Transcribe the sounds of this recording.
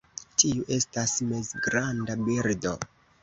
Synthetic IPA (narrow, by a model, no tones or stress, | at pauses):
tiuʔe̞stasmezɡɾandabiɾdo̞